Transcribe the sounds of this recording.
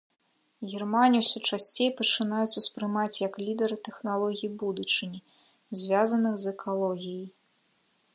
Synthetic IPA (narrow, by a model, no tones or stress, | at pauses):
ɣʲirmanʲiuwsʲut͡ʂasʲt͡sʲejpɐt͡ʂɨn̪ajut͡sʲuspɾɨmat͡sʲjɐklʲid̪ɛɾɨt̪ɛxnalˠɔɣʲijibud̪ut͡ʂɨnʲi | zʲvʲazɐnɨxzɛkʰalˠɔɣʲijij